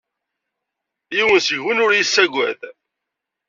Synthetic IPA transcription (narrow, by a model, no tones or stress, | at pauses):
jiwənsəʝwənʊɾjisːæɡʷæ̰ð